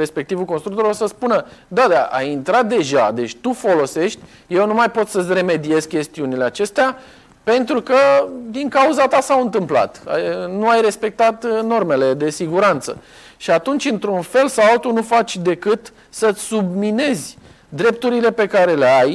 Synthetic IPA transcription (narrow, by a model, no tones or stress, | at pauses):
ɾe̞spe̞k̚t̪ivukonst̪ɾukt̪o̞ɾilosəspunəd̪ad̪aʔa̰jint̪ɾat̪̚d̪e̞ʒad̪e̞t͡ʃʲt̪ufo̞lo̞se̞ʃt̪ʲ | je̞wnumajpo̞t̪səsʲre̞me̞d̪ie̞zkʲe̞st̪iunile̞at͡ʃe̞st̪ea | pe̞nt̪ɾukəd̪iŋkauzat̪asawɨnt̪ɨmpla̰t̪anuajɾe̞spe̞k̚t̪at̪no̞rme̞le̞d̪e̞siɡuɾant̪sə̰ | ʃiat̪unt͡ʃʲɨnt̪ɾunfe̞lsawalt̪unufat͡ʃʲd̪e̞kɨt̪ | səsubmine̞zʲ | d̪ɾe̞p̚t̪uɾile̞pe̞kaɾe̞leaj